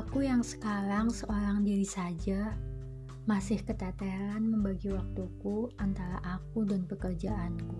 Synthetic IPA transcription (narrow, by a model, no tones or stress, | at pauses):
akujaŋsə̥kaɾaŋsəʔoɾaŋdiɾisad͡ʒa | masɪhkət̪at̪ɛɾanməmbaɡiwak̚t̪ukuant̪aɾa̰ʔak̚udanpəkərd͡ʒaʔanku